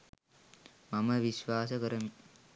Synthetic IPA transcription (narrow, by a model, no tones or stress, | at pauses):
mɐmɐʋiʃʋaːsəkəɾɐmi